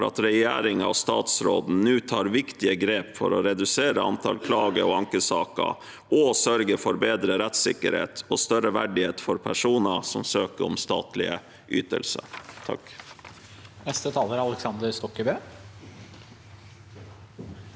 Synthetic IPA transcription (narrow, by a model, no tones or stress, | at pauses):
ɾɑ̰t̪ɾɛjæ̰ːɾɪŋɑ̰ʋst̪ɑ̰ːt̪sɾo̰ːd̪n̩nʉːt̪ʰɑːɾʋɪkt̪ɪəɡɾeːpfɔɾɔɾɛd̪ʉseːɾəɑ̰nt̪ʰɑlkʰlɑːɡəɔɑŋkəsɑːkə̰ | ʔɔsœɾɡəfɔɾbeːd̪ɾəɾɛt̪sɪ̰kːəɾhḛːt̪ɔst̪œɾəʋæɖɪheːt̪fɔɾpʰæʂuːnəsɔmsøːkəɾɔ̰mst̪ɑ̰ːt̪lɪ̰ə | ʔy̰ːt̪ə̰lsət̪ʰɑ̰k | nɛst̪ət̪ʰɑːləɾɑlɛksɑnd̪əɾst̪ɔkːəbøː